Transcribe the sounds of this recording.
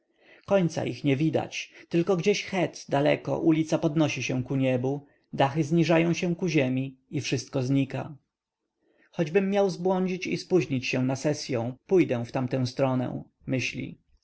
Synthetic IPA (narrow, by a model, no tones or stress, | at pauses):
kɔɲt̪sa̰ʔixɲɛvʲid̪a̰t͡ɕt̪ɘlkɔɡd͡ʑeɕxɛt̪d̪alɛ̰kɔ̰ʔulʲit̪sapɔd̪nɔɕiɕɛ̃kuɲɛbu | d̪axɘzɲiʐajɔ̃w̃ɕɛw̃kuʑemʲiifʂɘst̪̚kɔzɲika̰ | xɔd͡ʑbɘmːjawzbwɔɲd͡ʑit͡ɕispuʑɲit͡ɕɕɛ̃w̃nasɛsʲjɔ̃w̃pujd̪ɛw̃ft̪amt̪ɛ̃w̃st̪ɾɔnɛ̰w̃ | mɘɕlʲḭ